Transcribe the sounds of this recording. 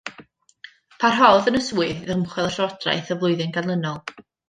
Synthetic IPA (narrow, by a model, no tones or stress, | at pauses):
pʰarɦɔwðənəswɨððəmχwɛlˠəʃɔdra̰jθəvlˠʊɨðɪnɡanlˠənɔlˠ